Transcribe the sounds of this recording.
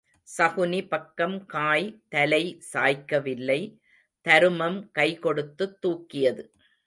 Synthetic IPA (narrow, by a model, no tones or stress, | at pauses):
sɐɣʊnipɐkːɐmkaːjt̪ɐlɐɪsaːjkːɐʋɪlːɐɪ | t̪ɐɾɯmɐmkɐɪkɔɽɯt̪ːɯt̪ːuːkːɪjɐðɯ